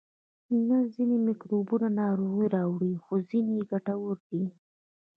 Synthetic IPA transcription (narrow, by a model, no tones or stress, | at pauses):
nazinemɪkɾobunanɑɾoɣiɾɑwɽixozineɡaʈawʊɾd̪i